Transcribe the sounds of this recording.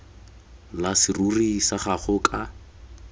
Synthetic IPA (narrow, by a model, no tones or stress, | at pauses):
lasɪrurisaχaχʊkʼa